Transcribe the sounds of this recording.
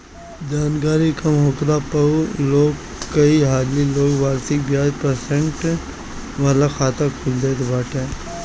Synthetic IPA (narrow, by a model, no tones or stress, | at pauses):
d͡ʒaːnɡaːɾikɐmɦoːkɾapɐuloːɡ | kəiɦaːliloːɡʋaːɾsɪkbjaːd͡ʒpəɾsẽɳʈ | ʋaːlaxʰaːt̪ʰakʰuld̪eːt̪ʰebaːʈʰeː